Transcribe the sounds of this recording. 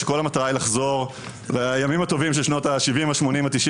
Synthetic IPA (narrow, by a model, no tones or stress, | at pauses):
eko̞lamat̪aʁailaχzo̞ʁ | lejamimat̪o̞vimʃ̬eʃnot̪aʃivimaʃmo̞nimat̪iʃi